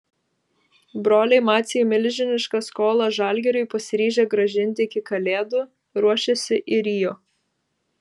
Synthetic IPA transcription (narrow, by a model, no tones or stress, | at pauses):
bɾoːlʲɛɪmɑːt̪sʲɛjumʲɪlʲʒʲɪnʲɪʃkɐskoːlˠɐʒɑˑlʲɡʲɛɾʲʊɪpɐsʲɪɾʲiːʒʲeːɡɾɐʒʲɪnʲt̪ʲɪɪkʲɪkɐlʲeːd̪ʊ | ɾuɔʃʲesʲɪʔɪɾʲiːjoː